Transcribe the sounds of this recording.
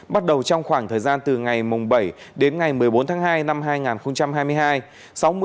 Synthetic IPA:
ɓa˦˥t̚ɗə˨˩wt͡ɕɔ˧wŋ͡mxwaː˧˩ŋt̪ʰəː˨˩jzaː˧nt̪ɨ˨˩ŋa˨˩jmʊ˨˩ŋ͡mɓə˧˩jɗe˨˦nŋa˨˩jmɨ˨˩əjɓo˨˦nt̪ʰaː˨˦ŋɦaː˧jna˧mɦaː˧jŋaː˨˩nxə˧wŋ͡mt͡ɕa˧mhaː˧jmɨ˧jɦaː˧j | sa˨˦wm˧

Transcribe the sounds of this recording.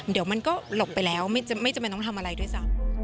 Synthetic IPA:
di˨˩˦wma˧nkɔː˥˩lo˨˩p̚pa˧jlɛː˦˥wma˥˩jt͡ɕa˨˩ma˥˩jt͡ɕmpjnɔ˦˥nt̪ʰmʔa˧ɾa˧jdu˥˩əjsa˦˥

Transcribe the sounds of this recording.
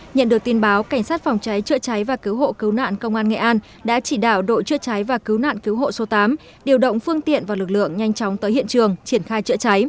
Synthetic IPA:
ɲə̰˧˨nɗɨ˨˩ək̚t̪ənɓaː˨˦wka˧˩ŋ̟saː˦˥t̚fɔ˨˩wŋ͡mt͡ɕa˨˦jt͡ɕɨ̰˧˥ət͡ɕa˨˦jvaː˨˩ki˨˦wɦo̰˧˨kɨ˨˦wna̰ː˧˨nkə˧wŋ͡mʔaː˧nŋḛ˧˨ʔaː˧n | ɗa̰ː˧˥t͡ɕi˧˩ɗaː˧˩wɗo̰˧˨t͡ɕɨ̰˧˥ət͡ɕa˨˦jvaː˨˩kɨ˨˦wna̰ː˧˨nki˨˦wɦo̰˧˨so˨˦t̪aː˨˦m | ɗi˨˩əwɗə̰˧˨wŋ͡mfɨ˧əŋt̪ḭ˧˨ənvaː˨˩wlɨ˨˩k̚lɨ̰˧˨əŋɲa˧jŋ̟t͡ɕɔ˨˦wŋ͡mt̪əː˨˦jhḭ˧˨ənt͡ɕɨ˨˩əŋt͡ɕi˧˩ənxaː˧jt͡ɕɨ̰˧˥ət͡ɕa˨˦j

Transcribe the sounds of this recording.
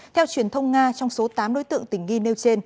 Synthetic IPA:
t̪ʰɛ˧wt͡ɕwi˨˩ənt̪ʰə˧wŋ͡mŋaː˧t͡ɕɔ˧wŋ͡mso˨˦t̪aː˨˦mɗo˨˦jt̪ɨ̰˧˨əŋt̪ï˧˩ŋ̟ŋi˧ne˧wt͡ɕe˧n

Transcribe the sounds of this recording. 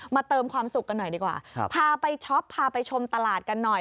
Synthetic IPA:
maː˧t̪ɤː˧mkʰwaː˧msu˨˩kːa˧nːɔ˨˩jdiː˧kwa̰ː˨˩pʰaː˧pa˧jt͡ɕʰɔ˦˥pʰːaː˧pa˧jt͡ɕʰo˧mt̪a˧laː˨˩t̪̚ka˧nːɔ˨˩j

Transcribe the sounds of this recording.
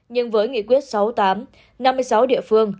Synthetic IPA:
ɲɨ˧ŋvəː˨˦jŋḭ˧˨kwi˦˥t̚sa˨˦wt̪aː˨˦m | na˧mːɨ˧jsa˨˦wɗḭ˧˨əfɨ˧əŋ

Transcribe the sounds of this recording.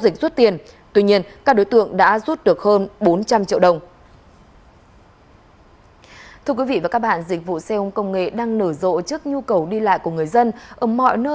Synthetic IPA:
zï˨˩k̟̚z̥u˦˥t̚t̪i˨˩ən | t̪wi˧ɲi˧ənkaː˦˥k̚ɗo˨˦jt̪ɨ̰˧˨əŋɗa̰ː˧˥zu˦˥t̚ɗɨ˨˩ək̚həː˧nɓo˨˦nt͡ɕa˧mt͡ɕḭ˧˨əwɗə˨˧˩wŋ͡m | t̪ʰɨ˧əkwi˨˦vḭ˧˨vaː˨˩kaː˦˥k̚ɓa̰ː˧˨nzï˨˩k̟̚vṵ˧˨sɛ˧ʔə˧ŋ͡mkə˧wŋ͡mŋḛ˧˨ɗaː˧ŋnəː˧˩zo̰˧˨t͡ɕɨ˦˥ək̚ɲu˧kə˨˩wɗi˧la̰ː˧˨jku˧˩əŋɨ˨˩əjzə˧nʔəː˧˩mɔ̰˧˨jnəː˧

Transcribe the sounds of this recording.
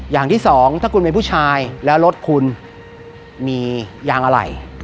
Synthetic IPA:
jaː˨˩ŋt̪ʰiː˥˩sɔː˩˦ŋt̪ʰaː˥˩kʰu˧npe˧npʰuː˥˩t͡ɕʰaː˧jlɛː˦˥wɾo˦˥t̪̚kʰu˧n | miː˧jaː˧ŋʔa˧ɾa̰˨˩j

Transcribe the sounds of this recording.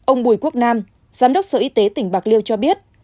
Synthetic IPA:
ʔə˧wŋ͡mɓu˧˩jku˦˥ək̚naː˧m | zaː˨˦mɗə˦˥wk͡p̚səː˧˩ʔi˧˦t̪e˨˦t̪ï˧˩ŋ̟ɓaː˨˩k̚li˧əwt͡ɕɔ˧ɓi˦˥ət̚

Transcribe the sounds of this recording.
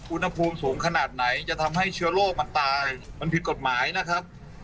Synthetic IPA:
ʔu˧nha˧pʰuː˧msuː˩˦ŋkʰa˧naː˨˩t̪̚na˩˦jt͡ɕa˨˩t̪ʰa˧mɦa˥˩jt͡ɕʰɯ˦˥ɐloː˥˩k̚ma˧nt̪aː˧ma˧npʰi˨˩t̪̚ko˨˩t̪̚maː˩˦jna˦˥kʰɾa˦˥p̚

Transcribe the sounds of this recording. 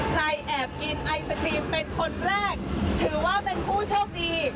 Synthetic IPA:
kʰɾa˧jʔɛː˨˩p̚ki˧nʔa˧jsa˧kʰɾiː˧mpe˧nkʰo˧nɾɛː˥˩k̚t̪ʰɯː˩˦waː˥˩pe˧npʰuː˥˩t͡ɕʰoː˥˩k̚diː˧

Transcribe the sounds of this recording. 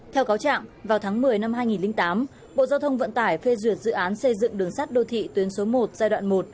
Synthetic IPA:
t̪ʰɛ˧wkaː˨˦wt͡ɕa̰ː˧˨ŋvaː˨˩wt̪ʰaː˨˦ŋmɨ˨˩əjna˧mɦaː˧jŋi˨˩nlï˧ŋt̪aː˨˦m | ɓo̰˧˨zaː˧wt̪ʰə˧wŋ͡mvə̰˧˨nt̪aː˧˩jfe˧zwi˧˩ət̚zɨ̰˧˨ʔaː˨˦nsə˧jzɨ̰˧˨ŋɗɨ˨˩əŋsaː˦˥t̚ɗo˧t̪ʰḭ˧˨t̪wi˨˦ənso˨˦mo˨˩t̚zaː˧jɗwa̰ː˧˨nmo˨˩t̚

